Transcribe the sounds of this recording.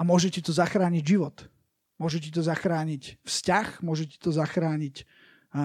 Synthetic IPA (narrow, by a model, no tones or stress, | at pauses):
amʊɔʒɛcɛt̪ɔzaxɾaːɲiɟʒiʋɔt̪ | mʊɔʒɛcɛt̪ɔzaxɾaːɲicfscaxmʊɔʒɛcɛ̥t̪ɔzaxɾaːɲic